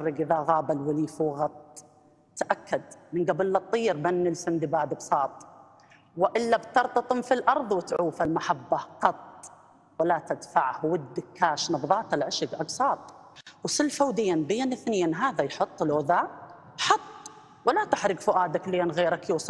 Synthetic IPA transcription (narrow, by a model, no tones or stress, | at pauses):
rːɪɡʔɪðaɣaːbalwɪliːfuɣɑt̪̚ˤ | t̪ːaʔakːad̪̚mɪnɡabɪlːɑt̪ˤːiːɾbanːɪlsɪnd̪ibaːʕd̪ɪbsˤɑːt̪ˤ | wɪʔɪlːabt̪ɑɾˤt̪ˤɑt̪ˤʊmfilʔɑɾˤðˤwɪt̪ʕuwːfalmaħabːaqɑt̪̚ˤ | walat̪ad̪faʕhwɪd̪ːɪkʰːaːʃnɑbðˤɑːt̪ɪlʕɪʃɪɡʔɑɡsˤɑːt̪ˤ | wsɪlfawd̪eːnbeːnʔɪθneːnɦaːðajħʊt̪ˤːlʔʊːðaː | ħɑt̪ˤː | wɪlat̪ɪħɾɪɡfʊʔaːd̪akleːnɣeːɾakjuːsˤɑ